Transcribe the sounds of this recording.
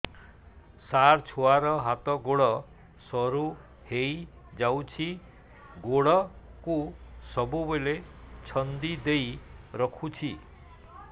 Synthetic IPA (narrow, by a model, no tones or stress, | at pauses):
saɾt͡ʃʰoaɾɔɦat̪ɔɡoɽɔ | sɔɾu | hej | d͡ʒawt͡ʃʰi | ɡoɽɔkusɔbubelet͡ʃʰɔnd̪id̪ejɾɔkʰut͡ʃʰi